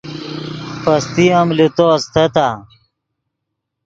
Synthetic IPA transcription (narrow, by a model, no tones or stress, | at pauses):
pɐst̪iɐmlut̪ost̪ʰɐt̪a